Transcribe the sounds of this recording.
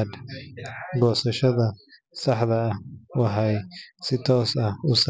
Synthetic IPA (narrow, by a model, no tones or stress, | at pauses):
d̪ | ɡɔːsɐʃɐðɐ | sɑħðɐːhwɑħɑjsɪt̪ʰɔːsɐʊs